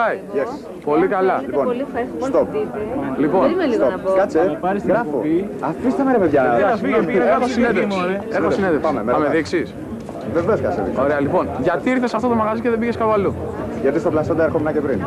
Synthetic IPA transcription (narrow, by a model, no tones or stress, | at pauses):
ɐjje | po̞likɐlɐliponolifet̪opliponmeliɣooɐpkɐt͡sepɐɾisɣɾɐfoiɐfist̪emeɾɐvevʝɐnesfiʝeikɐosineðemneeɾosineðefɐmemeɐmeðiksis | veveoskɐsḛðḭksoɾeɐlipo̞nʝɐt̪iiɾθesɐft̪o̞t̪omɐɣɐziceðebiʝeskɐpoɐlu | ʝɐt̪ist̪oplɐsod̪ɐeɾxomnɐcepɾin